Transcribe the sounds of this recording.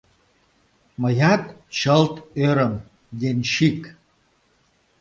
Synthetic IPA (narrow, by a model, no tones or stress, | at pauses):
məjakt͡ɕəlt̪øɾəm | ɡʲenʲʃik